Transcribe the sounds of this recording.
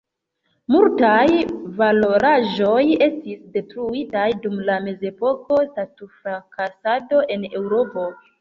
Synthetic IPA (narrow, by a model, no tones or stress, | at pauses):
multajvalo̞ɾaʒo̞je̞stisde̞tɾuitajdumlame̞ze̞po̞ko̞statufɾakasado̞ʔe̞ne̞wɾo̞po̞